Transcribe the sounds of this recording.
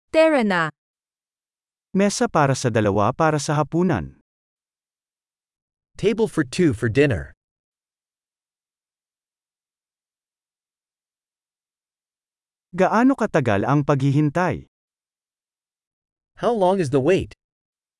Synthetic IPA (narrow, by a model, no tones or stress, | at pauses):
t̪ɛɹɐna | mɛsɐpaːɾɐsɐd̪ɐlɐwa̰paːɾɐsɐɦɐpuːnɐ̰n | tʰeɪbəl̩ˠfə˞tʰʉfə˞dɪ̃nə̰˞ | ɡɐʔaːno̞kɐt̪ɐɡa̰lʔɐŋpɐɡhɪɦɪnt̪aj | hawlɔ̃ŋɨzðəweɪt